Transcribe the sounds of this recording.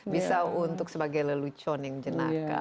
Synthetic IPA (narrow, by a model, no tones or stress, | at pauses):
bisaunt̪ʊk̚səbaɡajləlut͡ʃɔnjaŋd͡ʒənaka̰